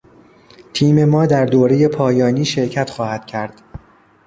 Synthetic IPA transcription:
t̪ʰiːme̞mɒːd̪æɾd̪oːɾe̞je̞pʰɒːjɒːniːʃe̞ɾcʰæt̪xɒːhæd̪̥cʰæɾd̪̥

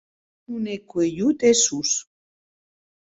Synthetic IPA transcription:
unekwejut̪esus

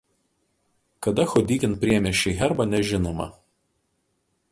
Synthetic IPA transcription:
kɐd̪ɐxɔd̪ʲiːkʲɪnpʲɾʲiɛmʲɛʃʲɛɪɦʲɛɾbɐnʲɛʒʲɪnoːmɐ̰

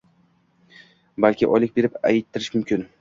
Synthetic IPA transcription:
balkʲɪʔɒlɪk̚ʲbe̞ɾɪpa̰jɪt̪ʰːɪɾɪʃmʊmkʲʰɪn

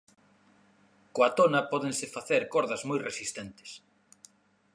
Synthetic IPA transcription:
koat̪onɐpɔðeŋsɪfaθeɾkɔɾðɐzmojresist̪ent̪ɪ̥s

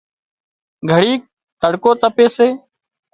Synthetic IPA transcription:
ɡʱəɽiːk̚ | t̪əɽkoːt̪əpeːseː

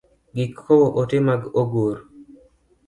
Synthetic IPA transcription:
ɡɪkʰːoboʔotɪmaɡoɡuɾ

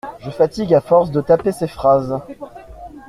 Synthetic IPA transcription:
ʒəfat̪iɡafɔʁsd̪ət̪apesefχaz

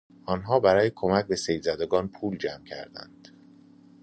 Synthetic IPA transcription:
ʔɒːnɦɒːbæɾɒːjekʰomæc̚be̞sejzæd̪eɡɒːnpʰuːld͡ʒæmcʰæ̰ɾd̪æ̰nd̪̥

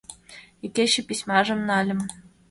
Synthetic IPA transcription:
ikʲeɕɘ̆pʲisʲmɑʒɤ̆mnɑlʲɘ̆m

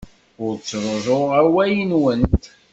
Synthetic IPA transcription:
ʊɾt͡sːɾˤoʒoʁæwæjənwənt̪

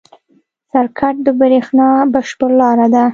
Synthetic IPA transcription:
saɾkʰaʈ̚d̪əbɾexnɑbaʃpəɾlɑɾad̪a

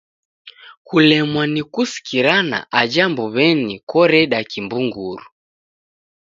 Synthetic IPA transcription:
kulɛmwanikusi̥kiɾana̰ʔad͡ʒambɔβɛnikɔɾɛɗakimbuŋɡuɾu

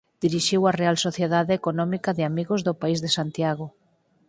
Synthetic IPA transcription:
d̪̥iɾiʃiwarealsoθjeðaðɪekonɔmikɐðɪamiɣozðʊpaizðesant̪jaɣ̞o

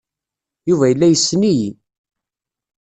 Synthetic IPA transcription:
juvæjəlːæjəsːniji

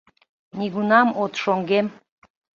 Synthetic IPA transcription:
niɡunɑmot̪ʃoŋɡem

